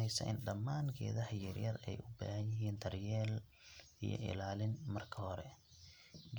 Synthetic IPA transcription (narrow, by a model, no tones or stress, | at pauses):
ɛjsɐ̰ʔɪ̰nɖɐmːaːŋkʰɛ̰ːðɐħjɪrjɐrɛjʔʊba̰ːhɐnjɪɦiːnd̪ʰɐrjɛːl | ijɞ̰ʔɪ̰laːlɪnmɐrkʰɐhɔɾɛ | ɡ